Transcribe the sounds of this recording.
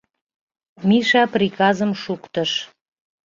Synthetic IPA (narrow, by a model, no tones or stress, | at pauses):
miʃɑprikɑzəmʃukt̪əʃ